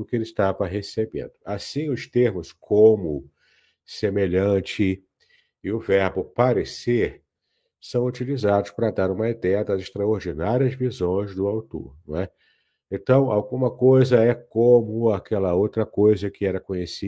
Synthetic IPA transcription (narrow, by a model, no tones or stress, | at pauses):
ʊkɪelɪʃt̪avɐɦesebḛ̃nd̪̥ʊasĩʊst̪eɾmʊskʰõmʊ | semeʎɐ̃t͡ʃɪ | ɪʊvɛɾbʊpaɾeseɾ | sɐ̃w̃ut͡ʃilizad̪ʊspɾɐd̪aɾũmɐid̪ɛjɐd̪ɐzɪʃt̪ɾaoɾd͡ʒinaɾiɐzvizõj̃zd̪ʊawt̪o̰ɾñwɛ | ẽt̪ɐ̃w̃awɡũmɐkojzɐɛkõmʊakʰɛlɐowt̪ɾɐkojzɐkɪɛɾɐkõɲesi